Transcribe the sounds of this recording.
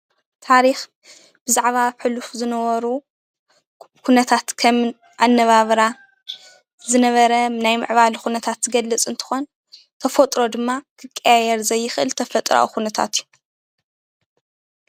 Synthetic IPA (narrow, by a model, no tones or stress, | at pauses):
t̪ʰaɾix | b̥ɨzaʕβaβħɨlufzɨnɐwɐɾu | kʰunɐt̪ʰat̪kʰɐmn | ʔanːɐβaβɾa | zɨnɐβɐɾɐnajmɨ̰ʕβalxunɐt̪ʰat̪ːɡɐlːɨt͡sʼɨnt̪ʰɨ̥xo̞n | t̪ʰɐfot̪ʼɾo̞d̪ɨmːakʰɨkʼːɐjajɛɾzɐjːɪxʔɨlt̪ʰɐfɐt̪ʼɾa̰wuxunɐt̪ʰa̰t̪ju